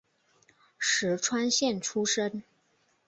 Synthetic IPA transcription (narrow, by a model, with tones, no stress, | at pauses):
ʂɻ̩˧˥ʈ͡ʂʰwa˥nɕjɛ˥˩nʈ͡ʂʰu˥ʂə˥n